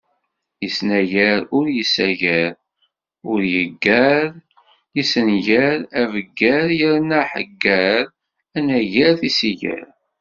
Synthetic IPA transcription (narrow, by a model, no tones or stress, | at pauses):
jəsnæʝæɾʊɾjəsæʝæɾ | ʊɾjəɡːæɾ | jisənʝæɾævəɡːæɾjəɾnæħə̰ɡːæɾ | ænæʝæɾθisiʝæ̰ɾ